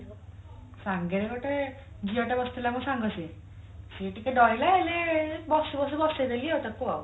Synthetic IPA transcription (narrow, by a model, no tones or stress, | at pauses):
saŋɡeɾekɔʈe | d͡ʒiɔʈabɔst̪ʰilamɔ̃saŋɡɔsi | siʈikeɖɔjlaɦelebɔsibɔs̬ibɔsed̪elieot̪akua̰w